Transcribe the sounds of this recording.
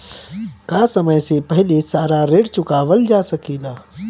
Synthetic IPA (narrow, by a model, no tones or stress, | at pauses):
kaːsəməjsepɐɦɪlesaːɾaɾeːɽt͡ʃʊkaːʋəld͡ʒaːsɐkiːlaː